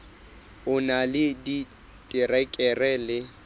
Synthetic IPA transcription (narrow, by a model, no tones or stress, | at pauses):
ʊnalɪdi | tʼɪrɛkʼɛrɛlɪ